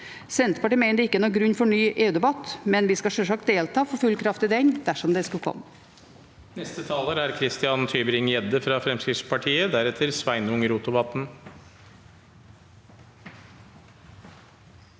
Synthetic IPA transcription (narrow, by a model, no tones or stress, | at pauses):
sɛnt̪əpʰɑʈiːmeɪnd̪ɛɪkːəɛnɔːɡɾʉɲfɔɳyːʔeːʉːd̪ɛbɑt̪mɛnʋɪskɑʂøːʂɑk̚t̪̚d̪eːlt̪ʰɑːfɔfʉlkʰɾɑft̪ɪd̪ɛŋd̪̥æʂɔmd̪ɛskʉlkʰɔ̰m | nɛst̪ət̪ʰɑːləɾæɾkʰɾɪst̪ɪɑnt̪ʰyːbəɾɪŋjɛd̪əfɾɑfɾɛmskɾɪt̪spʰɑʈʰiːəd̪æɾɛt̪ʰəɾsʋæɪnʊŋəɾuːt̪ʊbɑt̪n̩